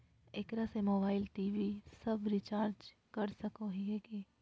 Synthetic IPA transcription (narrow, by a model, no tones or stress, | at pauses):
ekɾasemoːbaːɪlʈiːʋisɐbɾɪt͡ʃaːɾd͡ʒ | kɐɾsɐkoɦieːkeː